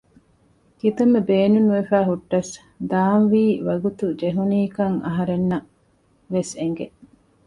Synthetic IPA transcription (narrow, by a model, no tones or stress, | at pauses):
kit̪ɐmːebeːnunuʋefæːɦuʈːɐs | d̪aːnʋiːʋɐɡut̪ud͡ʒeɦuniːkɐŋɐ̰ɦɐɾenːɐ | ʋeseŋɡe